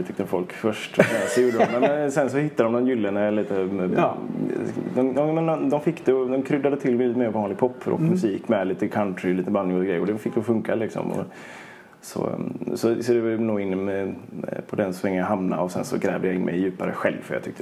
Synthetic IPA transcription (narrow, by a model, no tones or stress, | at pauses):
t̪ʏkt̪əfɔlkfœʂʈɛsɔjuːɖəd̪ɔmɛɛnsɛnsɔhɪt̪ːad̪d̪ɔmd̪ɔmjʏlːənaɛliːt̪ə | d̪ɔmɔmmɛnːɔd̪ɔmfɪkːd̪ɛd̪ɔmkʰɾʏd̪ːad̪ət̪ʰɪlːɛliːt̪əmeːɾvɑːnlɪɡ̚pʰɔpːɾʔɔ̰k̪mɵsiːkmɛliːt̪əkʰant̪ɾɪliːt̪əbanːɪŋɡɾɛjːəɾɔd̪ɛfɪkːd̪ɛfɵŋkalɪksɔ̰mɔ̰ | sɔ̰sɔsɔd̪ɛvanuːɡɪnːɛpʰɔd̪ɛnsvɛŋːnaɦamna̰ɔsɛ̰nsɔ̰ɡɾɛːvd̪əjaɪnmɛ̰jjʉ̟ːpaɾə̰ɧɛlvfœɾjɑ̰t̪ʰʏkt̪ə